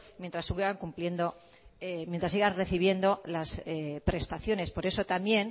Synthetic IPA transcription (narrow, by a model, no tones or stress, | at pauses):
mjent̪ɾasːuɣeɣaŋkumplje̞nd̪o̞ | emjent̪ɾasiɣanre̞θiβ̞je̞nd̪o̞lasepɾe̞st̪aθjo̞ne̞spo̞ɾe̞so̞t̪amje̞n